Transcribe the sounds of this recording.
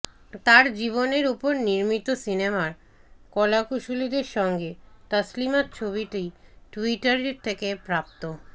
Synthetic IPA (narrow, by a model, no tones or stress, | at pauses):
t̪aɾd͡ʑiβoneɾupoɾniɾmit̪osinemaɾ | kɔlakuʃulid̪eɾʃɔŋɡet̪əslimat̪t͡ɕʰoβiʈijʈuiʈaɾeɾt̪ʰekepɾap̚t̪o